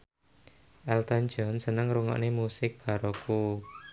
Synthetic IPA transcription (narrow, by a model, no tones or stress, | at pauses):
ʔɛlt̪and͡ʒɔnsənəŋɾuŋɔ̰ʔnemusɪk̚b̥a̤ɾoku